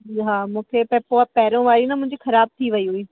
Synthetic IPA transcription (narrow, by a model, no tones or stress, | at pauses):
iɦaːmũːkʰepɛ̃poːapɛːɾõʋaːɾinɐmʊ̃ɦɪ̃ɲd͡ʑixɐɾaːb̚t̪ʰiʋɐiɦʊiː